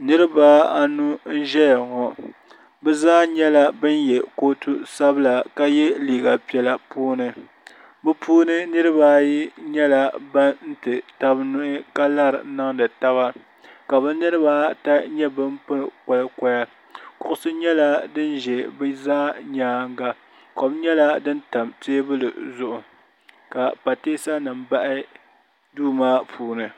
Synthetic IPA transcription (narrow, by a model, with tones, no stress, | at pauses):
nɨ˦ɾɨ˦baː˦a˨nu˦n̩˦ʒɛ˦ja˨ŋɔ˨ | bɛ˦zaː˦ɲɛ˦la˦bɨ˦njɛ˨ko˦tu˦sa˦bɨ˦la˨ka˦jɛ˦liː˨ɡa˨pi˨˦ɛ˨la˨puː˦nɨ˨ | bɨ˦pʰuː˦nɨ˦nɨ˦ɾɨ˦baː˦ji˦ɲɛ˦la˨ba˦n̩˦tɨ˨ta˦bnʊ˦ʔɪ˦ka˦la˦ɾɨ̰˨˦na˦ŋdɨ˨ta˦βa˦ | ka˨bɨ˦nɨ˦ɾɨ˦baː˦ta˦ɲɛ˦bɨ˦m˦pɨ˦ɾkɔ˨lɨ˦kɔ˦ja˦ | kʊ˦ʔʊ˦sɨ˦ɲɛ˦la˦dɨ˦n˦ʒɛ˨bɨ˦zaː˦ɲaː˦ŋ˦ɡa˦ | ko˨bɲɛ˦la˦dɨ˦n˦ta˨mteː˦bɨ˦lɨ̰˨zʊ˦ʔʊ˨ | ka˨pa˨teː˦sa˦nɨ˨m˨ba˦ʔɪ˦ | duː˦maː˦pʰuː˦nɨ˨